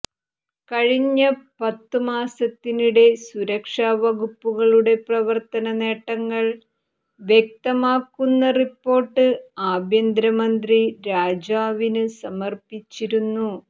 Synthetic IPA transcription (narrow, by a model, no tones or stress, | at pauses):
kɐɻiɲːɐpɐt̪ːɨmaːsɐt̪ːiniɽe̞suɾɐkʂaːʋɐɣupːuɣɐɭuɽe̞prɐʋɐrt̪ɐnɐne̞ːʈːɐŋːɐɭ | ʋjek̚t̪ɐmaːkːunːɐripːo̞ːʈːɨaːbjɐnd̪ɾɐmɐnd̪riɾaːd͡ʑaːʋinɨsɐmɐrpit͡ɕːiɾunːu